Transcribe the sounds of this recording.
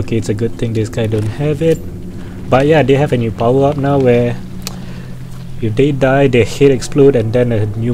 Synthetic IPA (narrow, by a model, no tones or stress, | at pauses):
okeɪtsəɡʊd̚t̪ɪ̃ŋdɪsɡaɪdõnhɛvɪt̚ | bat̚jadeɦɛvənjupawəap̚naʊwɛ | ifdedajdehetɛksplodɛ̃ndɛ̃nənju